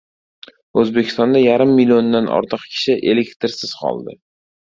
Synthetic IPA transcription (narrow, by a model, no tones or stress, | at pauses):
ɵzbekʲʰɪst̪ɒnd̪ajaɾɪmːilʲiond̪anʔɒ̰ɾt̪ʰɨqkʲʰɪ̥ʃɪʔe̞lekʲt̪ɪɾsɪz̥qʰɒ̰lˠd̪ɪ̰